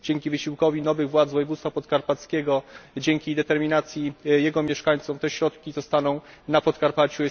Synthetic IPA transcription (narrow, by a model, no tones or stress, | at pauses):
d͡ʑɛŋkʲivɘɕiwkɔvʲinɔvɘɣvwad̪zvɔjɛvut̪st̪fapɔt̪kaɾpat̪skʲɛɡɔd͡ʑɛŋkʲid̪ɛt̪ɛɾmʲinat̪sʲjijɛɡɔmʲjɛʂkaɲt̪sɔmt̪ɛɕɾɔt̪kʲizɔst̪anɔ̃w̃ | napɔt̪kaɾpat͡ɕu